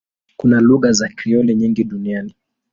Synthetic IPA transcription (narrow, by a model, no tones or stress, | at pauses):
kunaluɣazakɾiɔlɛɲiŋɡiɗuniani